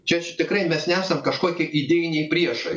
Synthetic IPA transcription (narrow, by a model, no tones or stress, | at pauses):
t͡ʃʲɛt͡ʃʲt̪ʲɪkɾɐɪmʲɛsnʲæːsɐmkɐʃkoɔkʲɛʔid̪ʲeːjɪnʲɛɪpʲɾʲiɛʃɐɪ